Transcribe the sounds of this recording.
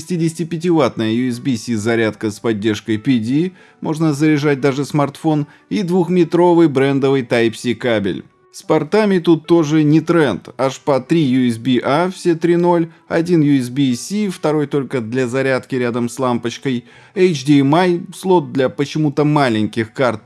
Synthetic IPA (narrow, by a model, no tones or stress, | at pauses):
sʲtʲidʲɪsʲtʲɪpʲɪtʲɪvat̪̚nəjəjʊɛs̬bʲisʲizɐɾʲat̪kəspɐdʲːerʂkəjpʲɪdʲi | mʔo̞̰ʐnəzəɾʲɪʐat̚ʲd̪aʐɨsmɐrt̪fo̞n | id̪vuxmʲɪt̪ɾo̞vɨjbɾɛnd̪əvɨjt̪ajpsʲikabʲɪ̰lʲ | spɐrt̪amʲɪt̪ut̪ːo̞ʐɨnʲɪt̪ɾɛnt̪aʂpɐt̪ɾʲijʊɛsbʲiʔafsʲet̪ɾʲino̞lʲ | ɐ̰dʲinjʊɛs̬bʲisʲift̪ɐɾo̞jt̪o̞lʲkəd̪lʲɐzɐɾʲat̪kʲɪɾʲad̪əmslˠampət͡ɕkəj | ejt͡ɕdʲimajslˠo̞t̪̚d̪lʲɐpət͡ɕɪmut̪əmalʲɪnʲkʲɪxkart̪̚